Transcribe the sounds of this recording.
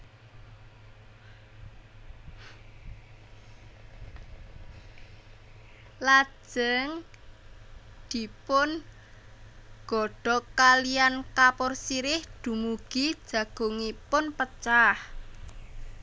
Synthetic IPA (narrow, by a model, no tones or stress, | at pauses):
lḁʒ̥əŋ | d̪̥i̤pʊn | ɡ̥ɔ̤ɖ̥ɔ̤kaliankapʊrsiɾɪhd̪̥ṳmuɡ̥i̥ʒ̥ä̤ɡ̥o̤ŋipʊnpət͡ʃah